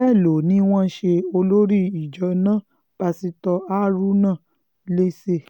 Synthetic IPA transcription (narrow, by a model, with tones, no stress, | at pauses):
ɛ˦˨lo˨nĩ˨˦w̃ɔ̃˦ʃe˧o˧lo˦ɾi˦˨i˨d͡ʒɔ˨˧˦nã˦˨ | b̥a˧si˧tɔ˧a˦ɾu˦nã˦˨ | le˦se˧